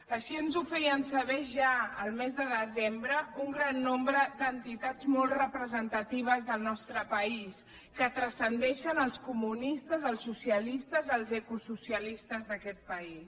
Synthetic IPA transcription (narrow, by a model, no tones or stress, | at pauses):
əʃiənzufɛɾiənsəβɛʒaəlˠmɛzðəðəzembɾəuŋɡɾanːombɾəd̪ənt̪it̪ad͡zmɔlˠtrəpɾəzənt̪ət̪iβ̞əzðəlˠnɔst̪ɾəpəis | kət̪ɾəsənd̪ɛʃənəlˠskumunist̪əzəlˠsːusiəlist̪əzəlˠzɛkususiəlist̪əzðəkɛt̪̚pəis